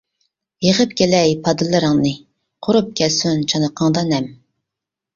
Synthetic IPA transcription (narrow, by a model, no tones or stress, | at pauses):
jeʁəp̚kʲelɛjpʰɑd̪ɨlˠɨɾəŋnɨ | qʰʊɾup̚kʲʰɛlsunt͡ʃʰɑnəqʰɑŋd̪ɑnɛm